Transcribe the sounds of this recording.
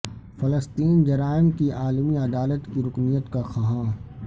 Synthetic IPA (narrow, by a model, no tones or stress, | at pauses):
fɐləst̪iːnd͡ʒɐɾaːɪnkiʔaːlmiɐd̪aːlət̪kiɾʊknijət̪kaxɐɦãː